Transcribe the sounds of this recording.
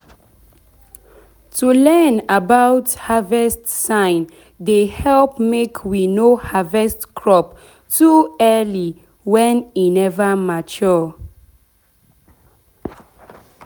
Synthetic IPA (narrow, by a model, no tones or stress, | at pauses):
tʰulɛnabaʊthavɛstsãɪ̃n | dehɛlp̚mekʰwinohavɛstkʰɹɔp | tuɛli | wɛ̃ninɛvəmat͡ʃɔ